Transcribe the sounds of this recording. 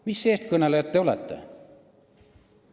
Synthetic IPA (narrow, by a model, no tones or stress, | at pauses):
misːe̞ːst̪̚kɤnelejɑt̪ːe̞o̞lḛt̪ːe̞̰